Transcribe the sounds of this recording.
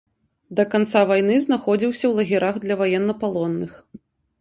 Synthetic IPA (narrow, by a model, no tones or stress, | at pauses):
d̪ɐkant̪savajnɨznaxɔd͡zʲiwsʲɐwlˠɐɣʲiɾaɣd̪lʲɐvajɛnːɐpalˠɔnːɨx